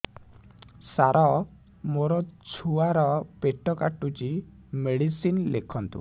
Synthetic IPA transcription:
saɾʔɔ | moɾɔt͡sʰuaɾɔpeʈɔkaʈːut͡ʃi | meɽisinlekʰɔnt̪ṵ

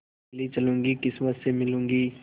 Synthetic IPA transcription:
lit͡ʃɐlũːŋɡikɪsmət̪semɪlũːŋɡiː

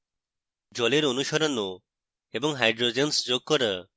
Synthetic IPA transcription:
d͡ʒɔleɾonuʃɔɾɔno | ebɔŋɦajɖɾod͡ʒensd͡ʒoɡ̚kɔɾa

